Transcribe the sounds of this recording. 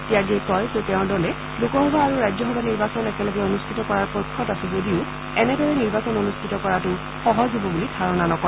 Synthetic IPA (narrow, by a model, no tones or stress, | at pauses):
tijaɡiɛkɔjzotɛʊ̃ɹdɔlɛ | lukɔɦɔbʱaːɹuɹajzjɔxɔbʱaniɹbasɔnɛkɛlɔɡɛonustʰitɔkɔɹaɹpojkʰːɔtasɛzodiʊ | ɛnɛdɔɹɛniɹbasɔnonustʰitɔkɔɹatʊ | xɔɦɔzubɔbulidʱaɹɔnanɔkɔɛ